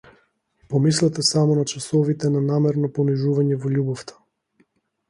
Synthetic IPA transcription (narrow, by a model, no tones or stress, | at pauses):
pɔmislɛt̪ɛsamɔnat͡ʃasɔvit̪ɛnanamɛɾnɔpɔniʒuvaɲɛvɔʎʲubɔft̪ʰḁ